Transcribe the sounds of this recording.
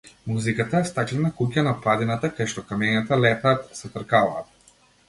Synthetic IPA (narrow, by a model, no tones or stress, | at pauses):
muzikat̪aɛst̪aklɛnakucanapad̪inat̪akajʃt̪ɔkamɛɲat̪alɛt̪aːt̪sɛt̪ɾkavaːt̪